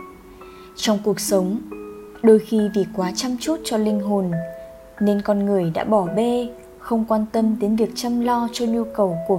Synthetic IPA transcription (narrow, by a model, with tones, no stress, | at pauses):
t͡ɕɔ˧wŋ͡mku˨˩ək̚sə˨˦wŋ͡m | ɗo˧jxi˧vi˨˩kwaː˨˦t͡ɕa˧mt͡ɕu˦˥t̚t͡ɕɔ˧lï˧ŋ̟ɦo˨˩nː | e˧nkɔ˧nŋɨ˨˩əjɗa̰ː˧˥ɓɔ˧˩ɓe˧ | xə˧wŋ͡mkwaː˧nt̪ə˧nɗe˨˦nvi˨˩ək̚t͡ɕa˧mlɔ˧t͡ɕɔ˧ɲu˧kə˨˩wku˧˩ə